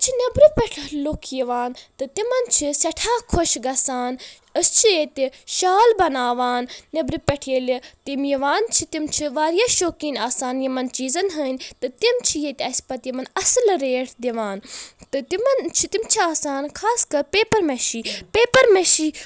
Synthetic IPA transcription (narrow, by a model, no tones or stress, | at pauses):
t͡ʃʰinɐbɾupʲɛʈʰlukʰjiʋaːnt̪ɨt̪imɐnt͡ʃʰisɛʈʰaːkʰoʃɡɐsaːn | əst͡ʃʰijet̪ʲiʃaːlbɐnaːʋaːnnɐbɾipʲeʈʰelt̪imjiʋaːnt͡ʃʰit̪imt͡ʃʰiʋaːɾjaːʃoːkiːnaːsaːnjimɐnt͡ʃiːzɐnɦənʲt̪ɨt̪imt͡ʃʰijet̪ʲɐsʲpɐt̪jimɐnɐslɾeːʈʰd̪iʋaːnt̪ɨt̪imɐnt͡ʃʰit̪imt͡ʃʰiaːsaːnkʰaːskɐɾpeːpɐɾmeʃiːpeːpɐɾmeʃiː